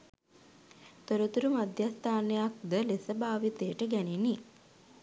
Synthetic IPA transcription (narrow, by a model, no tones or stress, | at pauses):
t̪oɾət̪uɾumad̪jast̪ʰaːnəjak̚d̪əlesəbaːʋit̪eəʈəɡæneni